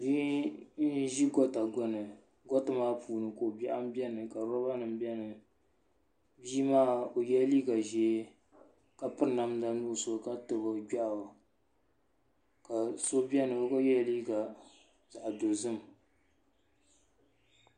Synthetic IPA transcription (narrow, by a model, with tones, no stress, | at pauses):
bi˦n̩˦ʒi˦ɡɔ˦ta˨ɡɔ˦nɨ˨ | ɡɔ˦tɨ˨maː˦puː˨nɨ˨ko˨bɛ˦ʔa˦m˦bɛ˦nɨ˨ka˨ɾɔ˦ba˦nɨ˨mbɛ˦nɨ˨ | biː˦maː˦o˨jɛ˦liː˦ɡa˨ʒɛ˨˦ | ka˨pɨ˦ɾna˨mda˦nu˦˨so˦˨ka˦tɨ˨bɨ˨ɡa˦ʔa˨a˨ | ka˨so˦bɛ˦nɨ˨o˦ka˦jɛ˦liː˦ɡa˨ | za˨ʔdo˨zɨ˦m˨